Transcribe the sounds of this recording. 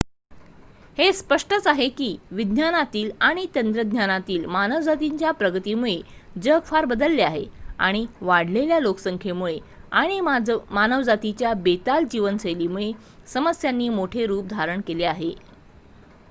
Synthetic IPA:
hespəʂʈət͡saɦekiːʋid̪ʱnanat̪iːlaɽ̃it̪ənd̪ɾəd̪ʱɲanat̪iːlmanəʋd͡zat̪iɲt͡ɕjapɾəɡət̪iːmuɭed͡ʑəɡfaɾbəd̪əlːeaɦea̰ɽ̃iʋaɽleljaloksəŋkʰemuɭe | aɽ̃imanəʋd͡zat̪it͡ɕjabet̪ald͡ʑiʋənsəjlimuɭe | səməsjanːiːmoʈʰeɾuːp̚d̪ʱaɾəɳkeleaɦe

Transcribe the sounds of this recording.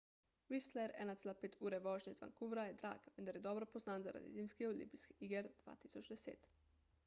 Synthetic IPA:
ʋislɛɾɛ̰nat̪sɛːlapeːt̪ʰuːɾɛʋɔːʒɲɛzʋa̰ŋkuʋɾajɛd̪ɾa̰ːɡʋɛnd̪aɾjɛd̪ɔbɾopoznaːnza̰ɾa̰d̪ḭziːmskiolḭmpiski̥iɡeɾd̪̥ʋa̰ːt̪isot͡ʃd̪ɛsḛːt̪

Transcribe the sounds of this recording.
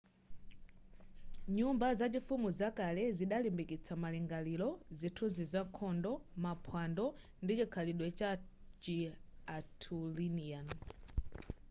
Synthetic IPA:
ɲumbazad͡ʒifumuzakalɛziɗalimbikit͡sʰamalɛŋɡalilɔzitʰuzizaŋkʰɔndɔmapʰwandɔ | ndit͡ʃikʰaliɗwɛt͡ʃat͡ʃiatʰulinian

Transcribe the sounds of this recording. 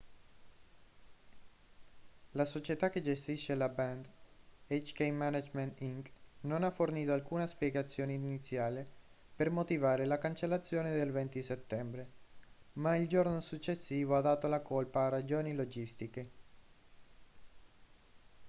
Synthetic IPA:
lasot͡ʃet̪ak̟ːed͡ʒest̪iʃːelabɛnd̪et͡ʃkejmanad͡ʒment̪iŋknonaforniːt̪oalkuːnaspjɛɡat̪sːjoːneinit̪sːjaːle | permot̪ivaːɾelakant͡ʃelːat̪sːjoːned̪elvɛnt̪iset̪ːɛmbɾe | maild͡ʒornosut͡ʃːesːiːvoad̪ːaːt̪olakolpaːrad͡ʒoːnilod͡ʒist̪ike

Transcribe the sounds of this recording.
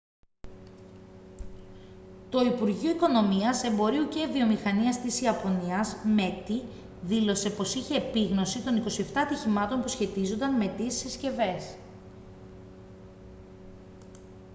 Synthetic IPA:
t̪o̞ipuɾʝioiko̞no̞miɐse̞mbo̞ɾiuce̞vio̞mixɐniɐst̪isiɐpo̞niɐzme̞t̪i | ðilo̞se̞po̞siçe̞ːpiɣno̞sit̪o̞niko̞sie̞ft̪ɐːt̪içimɐt̪o̞mpusçe̞t̪izond̪ɐnme̞t̪isi̥sesce̞ve̞s

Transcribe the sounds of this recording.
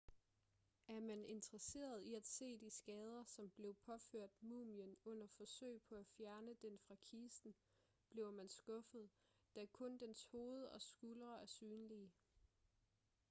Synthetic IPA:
æɐmæne̝nt͡sʁɐse̝̰ːɐð̩ˠiæd̥se̝̰ːd̥isɡ̥ɛːð̞ˠɐsɒ̽mb̥le̝ʊpʰɒ̽føɐ̰d̥muːmjənɔ̽n̰ɐfɒ̽sø̰ɪ̰pʰɒ̽æfjæɐnəd̥enfʁɑ̈kʰiːsd̥n̩ | b̥le̝ʊmænsɡ̥ɔ̽fð̞̩ˠ | d̥ækʰɔ̽nd̥ensho̝ːð̞̩ˠɒ̽sɡ̥ulʁɐæɐsyːnliə

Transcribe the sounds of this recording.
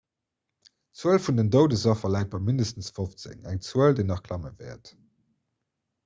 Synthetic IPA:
t͡suəlfundəndəʊdəzɑfɐlæˑɪt̚b̥ɑɪmindəstən̩sfoft͡sɪ̰ŋæ̰ŋt͡suəldeɪnɑχkʰlɑməvɛ̰ɐt

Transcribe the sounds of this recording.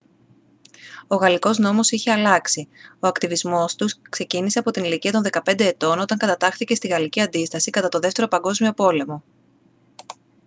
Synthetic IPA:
o̞ɣɐliko̞zno̞mo̞siçe̞ɐlɐksio̞ɐkt̪ivizmo̞st̪uskse̞cinise̞ɐpo̞t̪iniliciɐt̪o̞nðe̞kɐpe̞nd̪e̞ːt̪o̞no̞t̪ɐŋkɐt̪ɐt̪ɐxθice̞st̪iɣɐliciɐnd̪ist̪ɐsikɐt̪ɐt̪o̞ðe̞ft̪e̞ɾo̞pɐŋɡo̞zmio̞po̞le̞mo̞

